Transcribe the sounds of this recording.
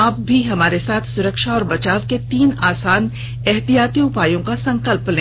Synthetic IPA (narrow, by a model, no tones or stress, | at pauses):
aːp̚bʱiɦɐmaːɾesaːt̪ʰsʊɾəkʃaɔːɾbɐt͡ʃaːʋket̪iːnaːsaːn | ɛɦt̪ijaːt̪iʊpaːjõkasɐ̃ŋkəlplẽː